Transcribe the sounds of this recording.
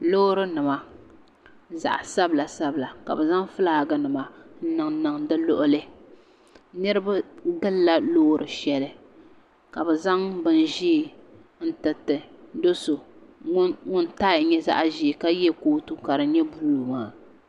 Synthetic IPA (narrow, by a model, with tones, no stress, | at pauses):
lo˦ɾɨ˦nɨ˨ma˨ | za̰˨ʔa˨sa˦bla˨sa˦bɨ˨la˨ka̰˨bɨ˨za˦ŋfɨ˦la˦˨ɡɨ˦nɨ˨ma˨n̩˦nɨ˨ŋnɨ˨ŋdɨ˦lo˦ʔʊ˦lɨ˦ | nɨ˦ɾɨ˦ba˦ɡɨ˦lla˦loː˦ɾɨ˨ʃɛ˦lɨ˨ | ka˨bɛ˨za˦ŋbɨ˦n˨ʒiː˦˨ | n̩˦tɨ˨tɨ˨do˦so˨˦ | ŋʊ˦n˦taː˦ɪ˨˦ɲɛ˦za̰˦ʔʒi˨ka˦jɛ˦koː˦tu˦ka˨ɾɨ˨ɲɛ˦buː˦˨lmaː˨